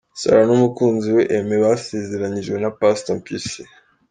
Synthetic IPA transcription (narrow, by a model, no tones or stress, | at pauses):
sa̰ɾanumukuːnziweʔemeβasezeɾaɲiʒɡwe̞napastompisi